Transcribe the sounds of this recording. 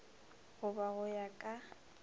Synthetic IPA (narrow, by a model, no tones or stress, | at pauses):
ɣʊbaɣʊjakʼa